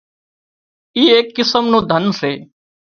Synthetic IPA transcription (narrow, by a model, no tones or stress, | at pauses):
iːeːkːɪsəmnũːd̪ʱənseː